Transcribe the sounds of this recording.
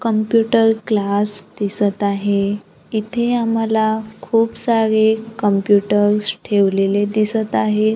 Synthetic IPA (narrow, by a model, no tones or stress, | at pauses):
kəmpjuʈəɾklasd̪isət̪aɦe | it̪ʰeam̤alakʰuːpsaɾekəmpjuʈəɾsʈʰeʋleled̪isət̪aɦe